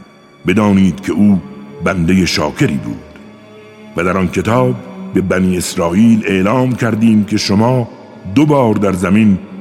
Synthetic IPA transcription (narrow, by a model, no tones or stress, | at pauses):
be̞d̪ɒːniːd̪kʲʰe̞uːbænd̪eje̞ʃɒ̰ːkʰe̞ɾḭːbṵːd̪̥ | væd̪æɾɒnkʰe̞t̪ʰɒːbːe̞bæniːe̞sɾɒːʔiːle̞ʔlɒːmkʰæɾd̪iːmkʰe̞ʃomɒː | d̪obɒːɾd̪æɾzæmin